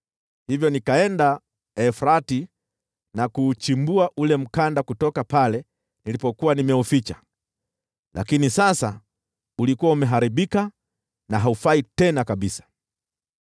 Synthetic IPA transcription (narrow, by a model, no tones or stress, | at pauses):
hivjɔnikaɛnda | ɛfɾati | nakuːt͡ʃimbuaʔulɛm̩kandakutɔkapalɛ | nilipɔkuwanimɛufit͡ʃa | lʔa̰kinisasa | ulikuwaumɛɦaɾiɓika | naɦaufaitɛnakaɓisḁ